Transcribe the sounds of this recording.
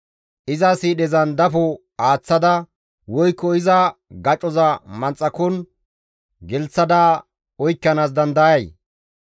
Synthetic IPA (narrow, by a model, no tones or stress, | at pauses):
ʔɪzɐsiːɗɛzɐnd̪ɐfʊ | aːt͡sːɐd̪ɐ | wɔjkːɔɪzɐɡɐt͡ʃʼɔzɐmɐnt͡sʼːɐkɔn | ɡɛlt͡sːɐd̪ɐ | ɔjkːɐnaːs̬d̪ɐnd̪ɐjɐj